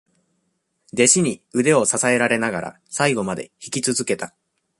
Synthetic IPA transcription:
d̪e̞ɕiɲ̟iɯ̟d̪e̞o̞sasae̞ɾaɾe̞naɡaɾʔa̰ | saiɡo̞mad̪e̞̰çi̥kʲit͡sɨzɨke̞t̪a

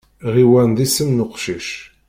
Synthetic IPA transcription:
ʁiwænd̪isəmnʊqʃiʃ

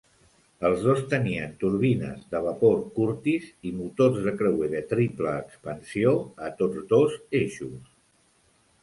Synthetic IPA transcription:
əlˠzðost̪əniənt̪uɾβinə̰zðəβəpoɾkuɾt̪izimut̪orzðəkɾəweðət̪ɾipləːkspənsioət̪od͡zdozeʃus

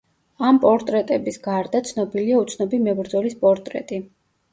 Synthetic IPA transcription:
ampʼɔɾt̪ʼɾɛt̪ʼɛbisɡaɾd̪at̪sʰnɔbiliaut̪sʰnɔbimɛbɾd̪zɔlispʼɔɾt̪ʼɾɛ̰t̪ʼi

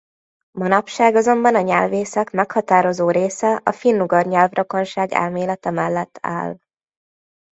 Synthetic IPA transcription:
mɒnɒpʃaːɡɒzo̞mbɒnɒɲɛlveːsɛkmɛkhɒt̪aːɾo̞zoːɾeːsɛʔɒfinːuɡɒrɲɛlvroko̞nʃaːɡɛ̰lmeːlɛt̪ɛmɛlːɛt̪ʰːa̰ːl

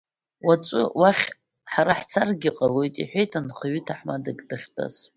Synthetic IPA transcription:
wat͡ʃʷʼʊwaχʲ | ħaɾaħt͡sʰarɡʲiqʼalojtʼḭħʷejtʰanχaɥɪtʰaħmadakʲʼdɨχʲtʰʼa̰z

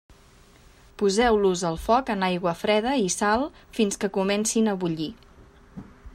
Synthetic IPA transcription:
puzɛwluzəlˠfɔkənajɣwəfɾɛðəisalˠfinskəkumɛnsinəβuʎi

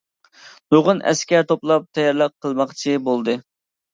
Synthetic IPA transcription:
noʁʊnʔɛ̰skʲɛɾt̪ʰoplˠɑp̚t̪ʰɛjɑɾlˠəq̚qʰːəlˠmɑχt͡ʃʰibolˠd̪ɨ

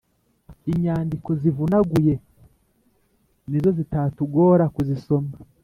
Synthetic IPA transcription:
iɲaːndiko̞zivunaɡuje̞ | nizo̞zitatuɡo̞ːɾakuzisoma

